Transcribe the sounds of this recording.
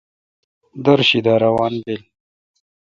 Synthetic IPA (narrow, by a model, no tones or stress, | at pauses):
d̪ɐɾɕid̪aːɾawɑːnbel